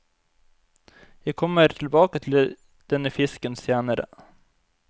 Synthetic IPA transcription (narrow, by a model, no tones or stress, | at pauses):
jɛːɡ̚kʰɔmːəɾʈ̪ʰɪlbɑːkat̪ʰɪl | d̪̥ɛnːəfɪskənseːnaɾə̰